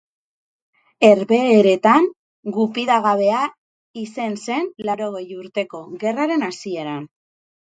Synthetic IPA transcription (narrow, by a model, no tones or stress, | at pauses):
e̞ɾβe̞ːɾe̞t̪aŋ | ɡupiðaɣaβe̞a | ise̞nse̞nlaɾo̞ɣ̞e̞juɾt̪e̞ko̞ɣe̞raɾe̞nasie̞ɾan